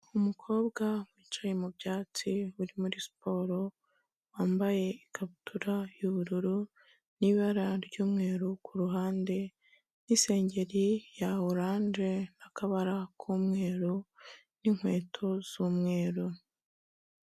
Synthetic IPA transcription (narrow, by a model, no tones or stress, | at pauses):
umukʰo̞ːbɡamwiːt͡ʃajemubɟaːt͡siuɾimuɾisi̥pʰo̞ːɾo̞ | waːmbaje̞ikʰaβutʰuɾajuβuɾuɾu | niβaɾaɾɟuːmŋe̞ːɾukuɾuɦaːnde̞ | nise̞ːɲɟe̞ɾijaoɾaːnd͡ʒe̞nakaβaɾakʰuːmŋe̞ːɾu | niŋ̥hwe̞ːtʰo̞z̥uːmŋe̞ːɾu